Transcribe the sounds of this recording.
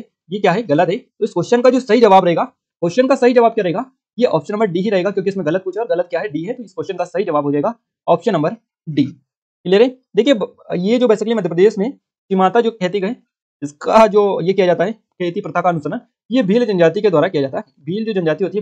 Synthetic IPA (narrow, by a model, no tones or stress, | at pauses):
jekjaːɦɛɣɐlət̪ɦɛt̪oɪskoːʃənkad͡ʒoːsɐɦid͡ʒɐʋaːbɾɐɦeːɡa | koːʃənkasɐɦid͡ʒɐʋaːb̚kjaɾɐɦeːɡa | jeʔɔːpʃənːɐmbəɾɖiɦiɾɐɦeːɡakjõːkiɪsmẽɣɐlət̪̚puːt͡ʃʰaɔɾɣɐlət̪̚kjaːɦɛɖiːɦɛt̪oɪskoːʃənkasɐɦid͡ʒɐʋaːbʱɦod͡ʒaːeɡa | ɔːpʃənːɐ̃mbəɾ | ɖiː | ɪleɾẽd̪eːkʰiejed͡ʒoːbeːsɪkəlimɐd̪ʱjəpɾəd̪eːʃmẽ | kɪmaːt̪ad͡ʒoːkʰeːt̪̬iɡɐɦẽ | ɪskad͡ʒoːjekijad͡ʒaːt̪aɦɛ | kʰeːt̪ipɾɐt̪ʰakaɐnʊsənən | ijebʱiːld͡ʒɐ̃nd͡ʒaːt̪iked̪waːɾakijad͡ʒaːt̪aɦɛ | bʱiːld͡ʒoːd͡ʒɐ̃nd͡ʒaːt̪iɦoːt̪iɦ